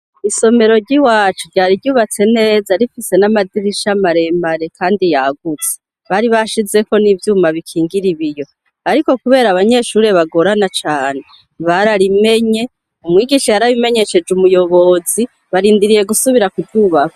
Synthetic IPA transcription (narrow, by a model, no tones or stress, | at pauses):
iso̞me̞ɾo̞ɾɟiwaːt͡ʃuɾɟaːɾiɟuːβat͡se̞ne̞ːzaɾifise̞namadiɾiʃamaɾe̞mbaɾe̞kʰaːndijaɡut͡se̥ | βaɾiβaʃize̞ko̞nivjuːmaβikʰiːŋɡiɾiβijo̞ | aɾiko̞kuβe̞ːɾaβaɲe̞ʃuːɾe̞βaɡo̞ɾanat͡ʃaːne̞ | βaɾaɾime̞ɲe̞ | umŋiːɡiʃejaɾaβime̞ɲe̞ʃe̞d͡ʒumujo̞βo̞zi | βaɾiːndiɾije̞ɡusuβiɾakuvjuːβaku